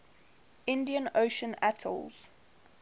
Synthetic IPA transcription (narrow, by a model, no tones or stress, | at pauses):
ʔɪ̃ndiə̃noʊʃə̃natʰə̰lˠz̥